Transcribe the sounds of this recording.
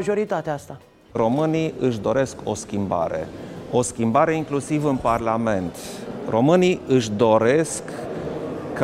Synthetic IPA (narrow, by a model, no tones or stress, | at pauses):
ʒo̞ɾit̪at̪east̪a | ro̞mɨniʔɨʃd̪o̞ɾe̞skʰo̞̰skʲimba̰ɾe̞̰o̞skʲimbaɾe̞iŋklusivɨnparlame̞nt̪rʔo̞mɨniɨʃd̪o̞ɾe̞skː